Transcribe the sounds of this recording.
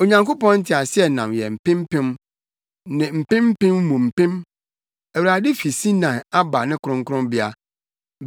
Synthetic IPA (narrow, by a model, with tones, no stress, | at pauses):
o˨ɲã˨ŋko˦pɔ̃˦n̩˦tʰɪ˨a˨sɪ˦ɛ˨nã˨mjɛ̰˨m̩˨pɪ̃˦m˦pɪ̃˦m | nɪ̃˨m̩˨pɪ̃˦m˦pɪ̃˦mːũ˨m̩˨pɪ̃˦m | æ˨wu˨ɾa˨dɪ˦fi˨si˦nã˨a˦ba˨nɪ̃˦kʰʊ˦ɾʊ̃˦ŋ̩˦kʰʊ˦ɾʊ̃˦mbɪ˦a˦